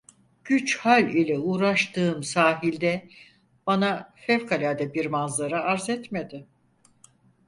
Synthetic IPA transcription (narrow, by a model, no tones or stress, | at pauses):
ɟ̥yt͡ʃhalʲilʲɛuːɾaʃt̪ʰɯːmsaːɦilʲd̪ɛ | b̥anafɛvkʰalʲaːd̪ɛbiɾmazlˠaɾɯaɾzɛt̪med̪ɪ